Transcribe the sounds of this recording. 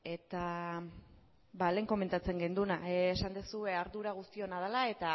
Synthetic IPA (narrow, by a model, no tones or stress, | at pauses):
e̞t̪a | bale̞ːŋko̞me̞nt̪at͡se̞ŋɡend̪unaːsand̪esue̞aɾðuɾaɣ̞ust̪io̞nað̞elae̞t̪a